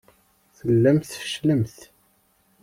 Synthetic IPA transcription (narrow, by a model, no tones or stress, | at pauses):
θəlːæmθʃləmθ